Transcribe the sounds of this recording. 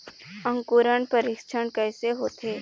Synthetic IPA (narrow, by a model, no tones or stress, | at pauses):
ə̃ŋkuːɾəɳpəɾɪkʃʰəɳkəːseɦoːt̪eː